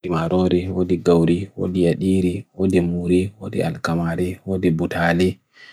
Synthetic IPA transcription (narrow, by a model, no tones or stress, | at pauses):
imaɾɔɾɛwodiɡawɾiwo̰dijaɗiːɾiwodɛmuːɾɛwodḭʔa̰lkamaɾɛwodɛbutʰaːlɛ